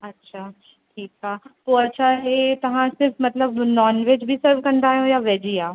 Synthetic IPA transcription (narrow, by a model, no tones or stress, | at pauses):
ɐtːʃʰaː | ʈʰiːkɦaːpoːɐtːʃʰaɦet̪ɐʋ̤ãsɪɾfmɐt̪ləbnɔːnʋeːd͡ʒbʱisəɾʋkɐ̃nd̪aːɦjõjaʋɛːd͡ʒijaːõ